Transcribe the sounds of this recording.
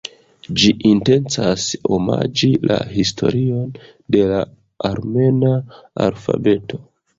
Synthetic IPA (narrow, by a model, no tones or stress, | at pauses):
d͡ʒiʔinte̞nt͡saso̞ma̰d͡ʒilʔa̰histʰo̞̰ɾio̞n | de̞la | aɾme̞naa̰lfa̰be̞tʰo̞